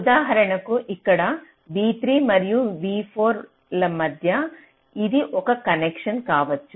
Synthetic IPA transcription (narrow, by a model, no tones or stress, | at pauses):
ud̪aːɦɐɾɐɳɐkuʔikːɐɽɐ | ʋiːt̪ɾiːmɐɾijuʋiːpʰoːɾ | lɐmɐd̪ʱjɐ | id̪iʔɔkɐkɐnekʂɐnkaːʋɐt͡ʃːu